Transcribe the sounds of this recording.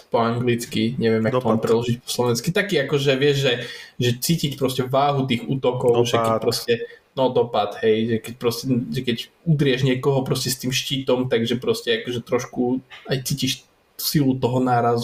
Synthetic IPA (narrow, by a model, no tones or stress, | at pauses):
pɔaŋɡlit͡skiɲɛʋɪɛmjakt̪ɔmaampɾɛdlɔʒicpɔ̥slɔʋɛnskit̪akiːakɔʒɛʋɪɛʒʒɛʒɛt͡siːcicpɾɔscɛʋaːɦut̪iːɣṵːt̪ɔkɔʊʒɛkɛpɾɔscɛnɔd̪ɔpad̪ɦɛjʒɛkɛc̚pɾɔscɛʒɛkɛc | ud̪ɾɪɛʒɲɪɛkɔɦɔpɾɔscɛst̪iːmʃciːt̪ɔmt̪aɡʒɛpɾɔscɛakɔʒɛt̪ɾɔʃkuajt͡siːciʃ | silut̪ɔɦɔnaːɾazu